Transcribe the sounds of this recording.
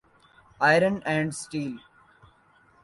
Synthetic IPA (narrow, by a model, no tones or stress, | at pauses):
aɪɾə̃nɛ̃ɳɖsʈiːl